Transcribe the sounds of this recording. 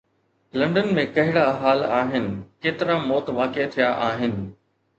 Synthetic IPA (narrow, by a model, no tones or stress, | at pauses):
lɐ̃ɳɖənmẽkɐɦɪɽaɦaːlaːɦɪnɪ̆keːt̪ɪɾamɔːt̪ʋaːket̪ʰijaʔaːɦɪnɪ̆